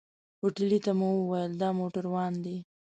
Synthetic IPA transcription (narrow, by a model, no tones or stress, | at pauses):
oʈɪlit̪amuwəwajəld̪ɑmoʈaɾwɑnd̪i